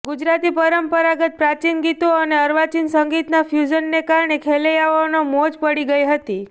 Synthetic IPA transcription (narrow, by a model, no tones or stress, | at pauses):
ɡud͡ʒɾat̪ipəɾəmpəɾaɡət̪̚pɾat͡ʃinɡit̪oəneəɾʋat͡ʃinsəŋɡit̪nafʰjud͡ʒənːekaɾɳ̃ekʰelejaʋanomod͡ʒpəɽiɡəjɦət̪i